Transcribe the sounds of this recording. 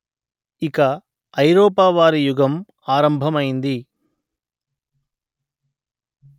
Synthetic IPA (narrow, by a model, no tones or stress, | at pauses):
ikɐː | jɾɔːpaːʋaːɾijuɡʱɐm | aːɾɐmbʱɐmɐjind̪i